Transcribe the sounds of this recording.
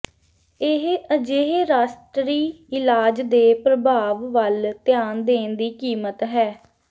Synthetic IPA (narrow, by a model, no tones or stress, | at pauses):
ɪɦəd͡ʒeɦɾaːsʈɾiːɪlaːd͡ʒd̪eːpɾəbaːʋːəlt̪ɪjaːnd̪eːnd̪iːkiːmət̪ɦɛː